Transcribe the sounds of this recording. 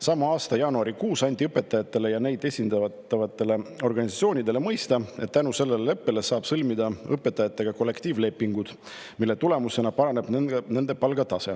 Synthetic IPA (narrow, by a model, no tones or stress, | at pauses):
sɑmːɑɑːst̪ɑjɑːnuɑɾikuːsɑnʲd̪̥ʲiɤpːˑe̞t̪ːˑɑjɑt̪ːˑe̞le̞jɑne̞jd̪̥e̞sʲind̪ɑɑt̪ːˑɑvɑt̪ːˑe̞le̞o̞rɡ̥ɑnʲisɑt̪sio̞ːnʲid̪e̞le̞mɤjst̪ɑe̞t̪t̪ːænuse̞lːe̞lelepːe̞le̞sɑːb̥sɤlmid̪ɑɤpːˑe̞t̪ːˑɑjɑt̪ːˑe̞ɡ̥ɑko̞lːe̞kt̪iːvle̞pːiŋɡud̪̥ | milːe̞t̪ule̞muse̞nɑpɑɾɑne̞b̥ne̞nd̪e̞pɑlɡɑt̪ɑse̞